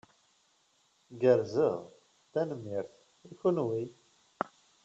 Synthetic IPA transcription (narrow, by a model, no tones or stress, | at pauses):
ɡəɾzəʁ | t̪ænəmːiɾθ | içunwi